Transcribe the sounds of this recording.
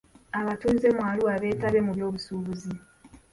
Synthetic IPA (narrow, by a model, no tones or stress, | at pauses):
aβatuze̞mwaːluaβe̞ːtalemuβjo̞ːβusuːβuzi